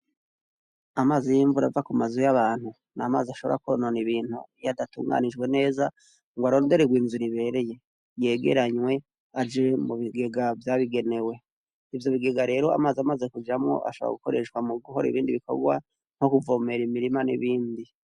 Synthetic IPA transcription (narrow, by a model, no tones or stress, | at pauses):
amaːzijiɱvuɾavakumazujaβaːn̥hu | naːma̰ːziaʃo̞βo̞̰ɾa̰kononiβiːn̥hṵjadatṵːŋɡa̰nid͡ʒɡwe̞ne̞ːza | ŋɡwaɾo̞ːnde̞ɾeɡwiːnzuɾiβe̞ːɾe̞je̞ | je̞ɡe̞̰ɾaɲwe̞ | ad͡ʒemuβiɡe̞ɡavjaːβiɡe̞ne̞we̞ | ivjo̞βiɡe̞ɡaɾe̞ːɾo̞a̰maziamaze̞kud͡ʒamŋo̞̰ʔa̰ʃoβo̰a̰ɡuko̞̰ɾe̞ʃkwamuɡuɦoɾḭβiːndiβiko̞̰ɡwa̰ | n̥ho̞kuvo̞meɾimiɾimanḭβiːndi